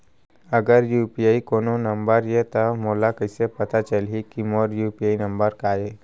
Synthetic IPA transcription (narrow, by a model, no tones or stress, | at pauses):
ɐɡəɾjuːpiaːikoːnonɐ̃mbəɾjet̪ɐmoːlakəɪsepɐt̪at͡ʃəlikimoːɾjuːpiaːinɐ̃mbəɾkaːjeː